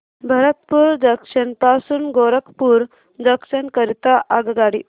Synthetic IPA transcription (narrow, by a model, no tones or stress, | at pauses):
bʱəɾət̪puːɾd̪əkʂənpasuːnɡoɾəkpuːɾ | d̪əkʂənkəɾit̪aʔaɡɡaɽi